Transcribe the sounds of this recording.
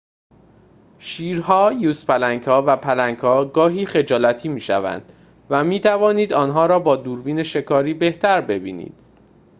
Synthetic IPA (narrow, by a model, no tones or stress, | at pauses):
ʃiːɾɦɒːjuːspælæŋɡhɒːvæpʰælæŋɡhɒːɡɒːɦiːxe̞d͡ʒɒːlæt̪ʰiːmiːʃæ̰væ̰nd̪̥ | væmiːt̪ʰævɒːniːd̪ɒːnɦɒːɾɒːbɒːd̪uːɾviːneʃe̞kʰɒːɾiːbe̞ht̪ʰæɾbe̞biːnḭːd̪̥